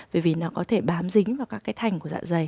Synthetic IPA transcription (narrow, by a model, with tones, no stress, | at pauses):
vḛ˧˨˩vḭ˨˩nɔ˨˦kɔ˨˦t̪ʰe˧˩ɓaː˨˦mzï˨˦ŋ̟vaː˨˩wkaː˦˥k̚ːaː˨˦jt̪ʰa˨˩jŋ̟ku˧˩əza̰ː˧˨nzə˨˩j